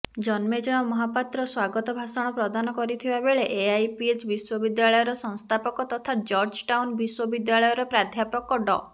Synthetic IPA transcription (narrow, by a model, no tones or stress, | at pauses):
d͡ʒɔnmed͡ʒɔñɔmɔɦapat̪ɾɔswaɡɔt̪ɔbʱasɔɽ̃ɔpɾɔd̪anɔkɔɾit̪ʰibabeɭeʔeajpiet͡ʃbiswɔbid̪jaɭɔjɔɾɔsɔŋst̪ʰapɔkɔt̪ɔt̪ʰad͡ʒɔɾd͡ʒʈawnbiswɔbid̪jaɭɔjɔɾɔpɾad̪ʱjapɔkɔɖɔ